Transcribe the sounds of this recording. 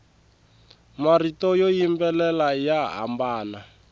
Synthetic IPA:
maritɔjɔjimbɛlɛlajaɦa̰mbaːna

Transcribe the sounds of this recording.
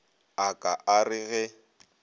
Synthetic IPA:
akʼaʔarɪɣɛ

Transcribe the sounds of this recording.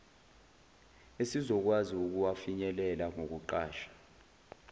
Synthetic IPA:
esizɔk̬waziuk̬uwafiɲɛlɛlaŋok̬uǃaːʃḁ

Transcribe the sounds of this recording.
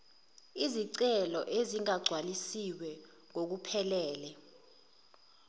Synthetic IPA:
iziǀɛlɔʔeziŋaɡ͡ǀʱwalisiwɛ | ŋok̬upʰɛlɛːlɛ

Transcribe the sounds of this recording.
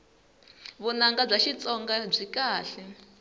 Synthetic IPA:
βunaŋɡab͡ʐaʃit͡sʼɔŋɡab͡ʐikaːɬɛ

